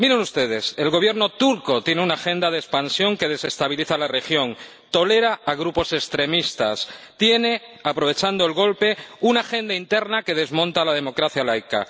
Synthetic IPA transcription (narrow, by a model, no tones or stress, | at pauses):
miɾenust̪e̞ð̞e̞se̞lɣ̞oβje̞ɾno̞t̪uɾko̞t̪je̞neunaxẽ̞nd̪að̞espansjo̞ŋke̞ð̞e̞se̞st̪aβ̞iliθalare̞xjo̞n | t̪o̞le̞ɾaaɣ̞ɾupo̞se̞st̪ɾe̞mist̪a̰s | t̪je̞ne̞apɾo̞β̞e̞t͡ʃand̪oe̞lɣ̞o̞lpe̞unaxe̞nd̪aint̪e̞ɾnake̞ð̞e̞zmõ̞nt̪alaðe̞mo̞kɾaθjalajka̰